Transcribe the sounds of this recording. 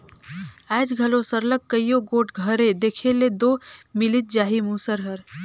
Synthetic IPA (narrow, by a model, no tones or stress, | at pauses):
ɛːd͡ʒɡʱəlõsəɾlək̚ːəijõɡoːʈʰɡʱəɾẽd̪eːkʰeled̪oːmɪlɪt̪̚d͡ʒaːɦimuːsəɾɦəɾ